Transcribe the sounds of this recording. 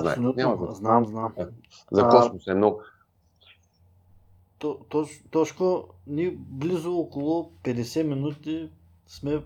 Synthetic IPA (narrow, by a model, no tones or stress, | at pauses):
ɐasolʲut̪amznamznam | zɐkɔsmusɛmnɔɡʊ | t̪ɔt̪ɔt͡ʃt̪ɔt͡ʃkoniblizʊɔkolˠopɛd̪ɛsɛminut̪i | smɛ